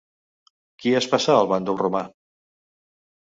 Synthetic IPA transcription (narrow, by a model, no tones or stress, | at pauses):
kiɛspasaəlˠβand̪ulruma